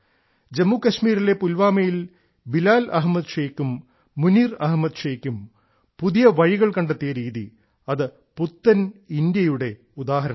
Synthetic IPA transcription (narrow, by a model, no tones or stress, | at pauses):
d͡ʑemːuːkɐɕmiːɾile̞pulʋaːmɐjil | bilaːlɐɦmɐd̪ʂeːkːumː | uniːrɐɦmɐd̪ʂeːkʲːum | puðijɐʋɐɻiɣɐɭkɐɳɖɐt̪ːijɐɾiːðḭ | ɐðɨ | put̪ːɐnind̪jɐjuɽe̞ | ud̪aːɦɐɾɐɳɐ